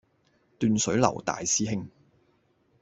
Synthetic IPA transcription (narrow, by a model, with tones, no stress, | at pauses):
t̪yː˨˧nsɵ˨˥ɥlɐ̰˨˩wt̪a̰ː˨jsiː˥ɦɪ˥ŋ